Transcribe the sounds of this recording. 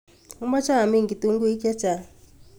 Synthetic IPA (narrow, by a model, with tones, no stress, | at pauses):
u˦mba˦t͡ʃʰa˦ɦa˨mi˦˨ŋɡi˨t̪u˦ŋɡu˦i˦ka˦t͡ʃa˨